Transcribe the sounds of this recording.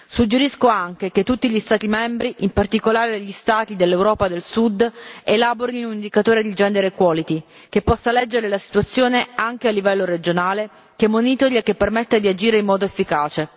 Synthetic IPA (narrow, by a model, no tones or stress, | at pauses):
sud͡ʒːeɾiskoaŋk̟ek̟et̪ːut̪ːiʎist̪aːt̪imɛmbɾiʔimpart̪ikolaːɾeeʎːist̪aːt̪id̪elːewɾɔːpad̪elsud̪elaːboɾiniunind̪ikat̪oːɾed̪id͡ʒɛnd̪eɾekwɔːlit̪i | k̟epːɔsːalɛd͡ʒːeɾelasi̥t̪uat̪sːjoːneaŋk̟ealːivɛlːoɾed͡ʒonaːle | kemːonit̪oɾjak̟epːermet̪ːed̪iad͡ʒiːɾeimːɔːd̪oefːikaːt͡ʃe